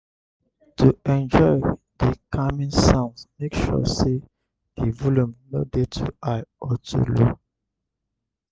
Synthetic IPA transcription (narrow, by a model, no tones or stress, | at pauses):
tuɛ̃nd͡ʒɔɪ | dəkʰamĩnsãnsmekʃɔ̰se | divulũmnodetʰṵaɪɔtʰṵlṵ